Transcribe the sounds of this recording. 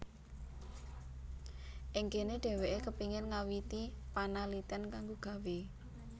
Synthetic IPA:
ʔɪŋkeneɖ̥ɛ̤weʔekəpiŋɪrŋawit̪ipanalit̪ənkaŋɡoɡ̥ä̤we

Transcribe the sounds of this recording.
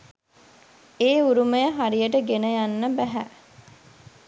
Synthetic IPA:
eːuɾuməjəɦaɾijəʈəɡenəjanːəbæɦæ

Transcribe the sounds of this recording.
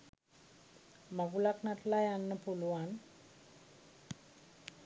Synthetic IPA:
maɡulaknatlajanːəpuluan

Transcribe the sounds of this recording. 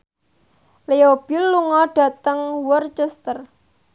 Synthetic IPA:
leob̥ilːuŋɔɖ̥a̤t̪əŋwɔrt͡ʃɛst̪ər

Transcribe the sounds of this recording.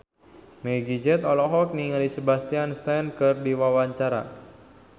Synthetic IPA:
meɡid͡ʒɛt̪ɔlɔɦɔk̚niŋalisəbast̪ianst̪ɛnkɨrdiwawaɲt͡ʃaɾa̰

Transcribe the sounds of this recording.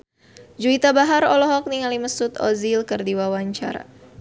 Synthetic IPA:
d͡ʒuit̪abaɦaɾɔlɔɦɔk̚niŋaliməsut̪ɔ̰zilkərdiwawaɲt͡ʃa̰ɾa̰

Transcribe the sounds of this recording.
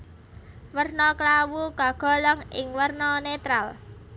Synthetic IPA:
wərnɔklawuɡ̥a̤ɡ̥ɔ̤lɔŋɪ̰ŋwərnɔnet̪ɾal

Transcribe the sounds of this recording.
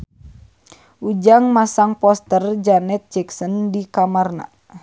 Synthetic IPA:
ʔud͡ʒaŋmasaŋpɔst̪ərd͡ʒanɛt̪̚d͡ʒɛksəndikamarna̰

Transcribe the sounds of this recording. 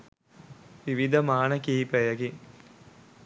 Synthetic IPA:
ʋiʋid̪ʱɐmaːnɐkiːpɐjɐki

